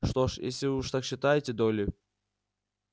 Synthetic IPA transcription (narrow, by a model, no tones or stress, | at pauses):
ʂt̪oʂjḛsʲlʲɪvɨuʂt̪akɕːɪt̪ajɪtʲɪd̪olʲɪ